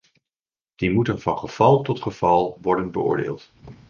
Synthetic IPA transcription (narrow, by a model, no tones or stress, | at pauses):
d̥imutənvɑnχəv̥ɑlˠtɔtχəv̥ɑlˠʋɔɹdənbəʊ̰ːɹdḛːlˠt